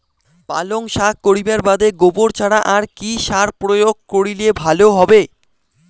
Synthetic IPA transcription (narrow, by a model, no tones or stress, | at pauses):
ba̰loŋʃakkːoɾibaɾbad̪eɡoboɾt͡ɕʰaɽaʔaɾkiʃaɾpɾojoɡ̚koɽilebʱaloɦɔbe